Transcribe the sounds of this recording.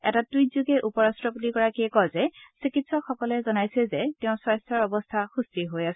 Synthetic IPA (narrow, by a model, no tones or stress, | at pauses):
ɛ̰tatujzuɡɛʔupɔɹastɹɔpotiɡɔɹakiɛkɔzɛsikitsɔkxɔkɔlɛzɔnajsɛzɛtɛʊ̃swɔjstʰɔɹɔbɔstʰaxustiɦojasɛ